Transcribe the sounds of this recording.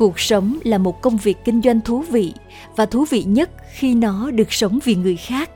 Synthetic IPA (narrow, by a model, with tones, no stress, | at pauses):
u˨˩ək̚sə˨˦wŋ͡mlaː˨˩mo˨˩t̚kə˧wŋ͡mvi˨˩k̚ːï˧ŋ̟zwa˧jŋ̟t̪ʰu˨˦vḭ˧˨ | vaː˨˩t̪ʰu˨˦vḭ˧˨ɲə˦˥t̚xi˧nɔ˨˦ɗɨ˨˩ək̚sə˨˦wŋ͡mvi˨˩ŋɨ˨˩əjxaː˦˥k̚